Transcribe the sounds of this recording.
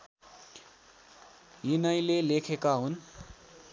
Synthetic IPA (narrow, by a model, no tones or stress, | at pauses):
inʌjlelekʰekaɦun